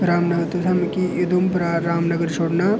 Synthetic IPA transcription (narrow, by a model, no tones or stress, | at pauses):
ɾaːmnɐɡəɾt̪usʰɐmkiɪd̪umpɾaɾaːmnɐɡəɾt͡ʃʰoːɽna